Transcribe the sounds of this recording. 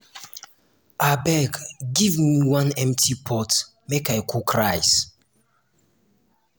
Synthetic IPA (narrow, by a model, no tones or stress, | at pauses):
abɛɡɡivmiwãnɛ̃mtʰipʰɔt | mekajkʰukɹajs